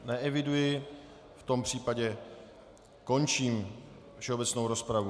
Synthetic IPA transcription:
nɛʔɛvɪdujɪ | ft̪o̞mpr̝̥iːpaɟɛ | ko̞nt͡ʃiːm | fʃɛobɛt͡sno̞wɾo̞spɾavu

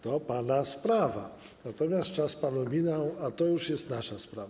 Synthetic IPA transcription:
t̪ɔpanaspɾava̰ | nat̪ɔmʲjast̪t͡ʂaspanumʲinawat̪ɔjuʂjɛst̪naʂaspɾava

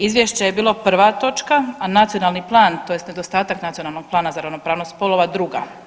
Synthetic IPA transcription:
izʋjeʃt͡ɕajebiːlˠo̞pr̩ʋat̪o̞t͡ʃkaanat̪sijo̞naːlˠniplˠaːnt̪o̞jest̪ne̞d̪ost̪aːt̪aknat̪sijo̞nalˠno̞ɡ̥̚plˠaːnazaɾaʋnopɾaːʋnospolˠoʋad̪ɾuɡa̰

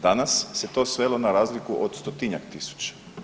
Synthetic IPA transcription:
d̪anasːe̞t̪o̞ːsʋe̞lo̞naɾaːzlikuʔod̪st̪ot̪iɲa̰k̚t̪isu̥t͡ʃḁ

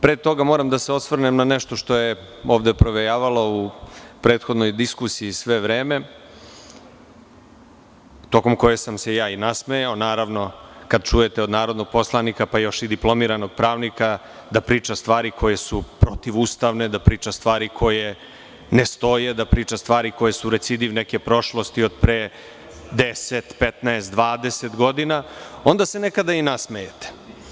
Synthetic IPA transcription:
pɾet̪ːo̞ɡamo̞ːɾamd̪aseo̞sʋrnemnaneʃt̪o̞ʃt̪o̞je | o̞ːʋd̪epɾoʋejaːʋaloupɾeːt̪xod̪no̞jd̪iskusiːsʋe̞ʋɾeːme̞ | t̪o̞ko̞mko̞jesamsejaːinasmejaonaːɾaʋno̞kad̪̚t͡ʃuje̞t̪eo̞d̪naːɾo̞d̪no̞ɡ̚po̞slˠanikapajo̞ʃid̪iplˠo̞miːɾano̞ɡ̚pɾaːʋnika | d̪apɾiːt͡ʂast̪vʋaːɾikʰo̞je̞supɾot̪iʋuːst̪aʋne̞d̪apɾiːt͡ʂast̪ʋaːɾikʰo̞je̞ | nest̪o̞je̞d̪apɾiːt͡ʂast̪ʋaːɾiko̞jesuɾet̪sid̪iʋneke̞pɾo̞ʃlˠo̞st̪io̞d̪pɾe | d̪eset̪pet̪naest̪d̪ʋaːd̪e̞set̪ɡo̞d̪inao̞nd̪ase̞nekad̪ainasmejet̪e̥

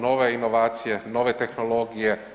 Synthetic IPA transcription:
noʋeinoʋaːt̪sijeno̞ʋet̪e̞xnolˠo̞ɡije

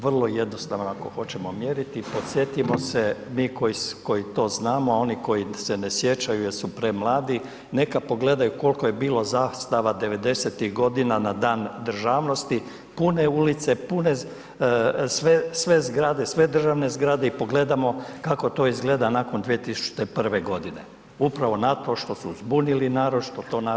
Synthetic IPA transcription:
ʋr̩lˠoje̞d̪no̞st̪aʋnoako̞̰xo̞t͡ɕemo̞mje̞ɾit̪ipo̞t̪sje̞t̪imo̞semiːko̞jisko̞jit̪o̞ːznaːmoao̞niko̞jise̞nesje̞t͡ʃajujeɾsupɾemlˠaːd̪i | ne̞kapo̞ɡle̞d̪ajuko̞lko̞jebiːlo̞zast̪aʋad̪e̞ʋe̞d̪e̞set̪iɣɡo̞d̪inanad̪aːnd̪r̩ʒaːʋno̞st̪i | puneulit̪se̞pune | sʋesʋe̞zɡɾad̪e̞sʋe̞d̪r̩ʒaʋne̞zɡɾad̪e̞ipo̞ɡle̞d̪amo̞kako̞t̪o̞ːizɡle̞d̪anako̞nd̪ʋiet̪isu̥t͡ʃt̪epr̩ʋe̞ɡo̞d̪ine̞ | upɾaʋo̞nat̪o̞ʃt̪o̞suzbunilinaːɾod̪ʃt̪o̞t̪o̞ːna

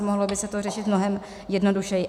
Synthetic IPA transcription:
moɦlobɪsɛt̪orɛʃɪt̪mno̞ɦɛm | jɛdno̞duʃɛjɪ

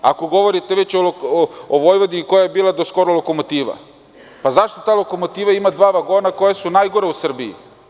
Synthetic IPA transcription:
a̰ko̞ɡo̞ʋo̞ɾit̪e̞ʋe̞t͡ɕolooʋo̞jʋod̪iko̞jajebiːlad̪osko̞ɾoloko̞mo̞t̪iːʋa̰ | pazaʃt̪o̞t̪aːlˠoko̞mot̪iːʋaimad̪ʋaːʋaɡo̞ːnako̞jasunajɡo̞ɾeusr̩biḭ

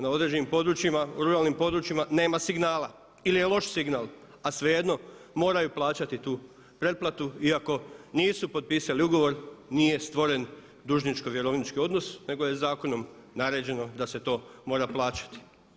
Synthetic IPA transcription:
nao̞d̪ɾe̞d͡ʑe̞nimpo̞d̪ɾut͡ʃimauɾuɾaːlnimpo̞d̪ɾut͡ʃimane̞ːmasiɡnaːla | ilije̞lˠo̞ʃsiɡnaːlˠ | asʋe̞je̞d̪no̞ | mo̞ːɾajuplˠaːt͡ʃat̪it̪uː | pɾe̞d̪̚plˠat̪uiako̞niːsupo̞d̪̚piːsaliuɡo̞ʋo̞ɾnije̞st̪ʋo̞ɾe̞n | d̪uːʒnit͡ʃko̞ʋje̞ɾo̞ʋnit͡ʃkio̞d̪no̞sne̞ɡo̞je̞zaːko̞no̞m | naɾe̞ːd͡ʑe̞no̞d̪ase̞t̪o̞ːmo̞ːɾaplˠaːt͡ʃḁt̪i̥

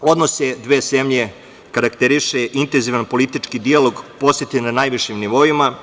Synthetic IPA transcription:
o̞d̪nosed̪ʋeːzemʎe̞ | kaɾakt̪eɾiʃeʔint̪enziʋanpo̞lit̪it͡ʃkid̪ialo̞ɡpo̞set̪enanajʋiʃimniʋo̞ima

